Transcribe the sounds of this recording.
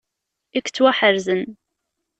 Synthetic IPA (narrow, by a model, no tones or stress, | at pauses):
ikʷːt͡sːwæħəɾzən